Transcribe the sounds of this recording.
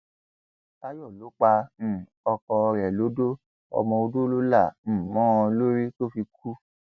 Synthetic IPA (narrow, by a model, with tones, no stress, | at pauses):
ta˦jɔ˦˨lo˨˦k͡pã˧˦˨ | ɔ˧kɔ˧ɾɛ˨lo˨˦do˦ | ɔ̰˧mɔ̃˧o˧do˦lo˦la˦˨m̩̃˦˨mɔ̃˦ɔ̃˧lo˦ɾi˦to˦fi˧k̚ʰu˦